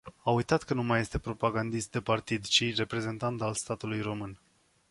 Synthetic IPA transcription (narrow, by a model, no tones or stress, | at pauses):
aujt̪at̪kənumaje̞st̪e̞pɾo̞paɡand̪ist̪̚d̪e̞part̪id̪t͡ʃire̞pɾe̞ze̞nt̪ant̪alst̪at̪ulujro̞mɨn